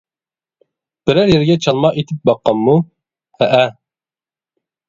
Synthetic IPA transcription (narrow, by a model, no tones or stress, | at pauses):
b̥ɪɾæɾjɛɾɡʲɛt͡ʃʰɑlˠmɑet̪ʰɪp̚bɑqːɑmːu | hæʔæ